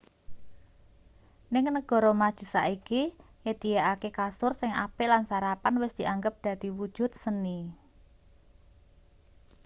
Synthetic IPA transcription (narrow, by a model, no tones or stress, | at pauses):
nɪŋnəɡ̥ɔ̤ɾɔmad̥ʒ̥ṳsaʔiki | jet̪ijaʔakekasʊrsɪŋa̰pɪlansaɾapanwɪsd̪̥i̤ʔaŋɡəp̚d̪̥ä̤d̪̥iwud̥ʒ̥ʊ̤t̪̚səni